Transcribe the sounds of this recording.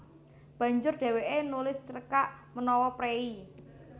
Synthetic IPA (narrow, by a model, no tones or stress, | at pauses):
b̥ä̤ɲd͡ʒʊrɖ̥e̤weʔenulɪst͡ʃəɾəkaʔmənɔwɔpɾei